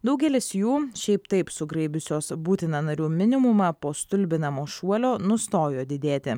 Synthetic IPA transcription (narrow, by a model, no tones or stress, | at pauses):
d̪ɐʊɡʲɛlʲɪsjuːʃʲɛɪpt̪ɐɪpsʊɡɾɛɪbʲʊsʲoːsbuːt̪ʲɪnɐnɐɾʲuːmʲɪnʲɪmʊmɑːpoːst̪ʊlʲbʲɪnɐmoːʃuɔlʲoːnʊst̪oːjoːd̪ʲɪd̪ʲeːt̪ʲɪ